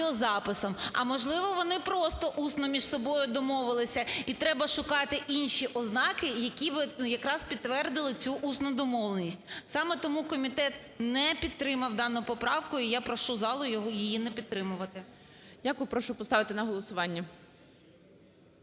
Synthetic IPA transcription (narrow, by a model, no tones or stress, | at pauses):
ɔzɑpɪsɔmɐ̰mɔʒlˠɪʋɔʋɔnɪpɾɔst̪ɔʔusnɔmʲiʒsɔbɔjʊd̪ɔmɔʋɪlˠɪsʲɐit̪ɾɛbɐʃʊkɑt̪ɪʔinʃiʔɔznɑkɪjɐkʲibɪjɐkɾɑzpʲid̪t̪ːʋɛrd̪ɪlˠɪt͡sʲuʔusnʊd̪ɔmɔʋlˠenʲisʲtʲsɑmɛt̪ɔmukɔmʲit̪ɛt̪ | nɛpʲid̪̚t̪ɾɪmɐwd̪ɑnʊpɔpɾɑwkʊijapɾɔʃuzɑlˠʊjɔɦɔjijinɛpʲid̪t̪ːɾɪmʊʋɐt̪ɪ | dʲakʊjʊpɾɔʃʊpɔst̪ɑʋɪt̪ɪnɐɦɔlˠɔsʊʋɑnʲːɐ